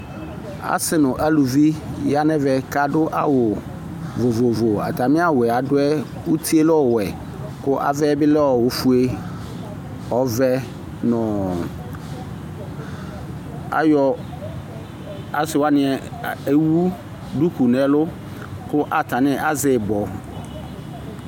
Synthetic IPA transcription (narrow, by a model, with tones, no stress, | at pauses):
a̰˨sɪ˨˦nʊ̃˨ʔa˦lu˨vi˦ja˦nɛ̃˦vɛ˨ka˦dʊ˦ʔa̰˦wʊ˨ | vo˨vo˨vo˨a̰˨ta˨mɪ̃˦a˦wɛ˨a˨dʊ˦ɛ˦ | u˦tʰi˦e˦lɔ˦˨wɛ˨ | kʊ˦ʔa̰˨vɛ˦bɪ˦lɛ˦ɔ˨wʊ˨fu˦e˦ | ɔ˨˦vɛ˦ | nɔ̃˨ | a̰˨jɔ˨ | a˦sɪ˨wa˦nɪ̃˨ɛ˨e˦wu˦ | du˦ku˨nɛ̃˨lʊ˦ | kʊ˦ʔa˨ta˨nɪ˦ʔa˦zɪ˨bɔ˨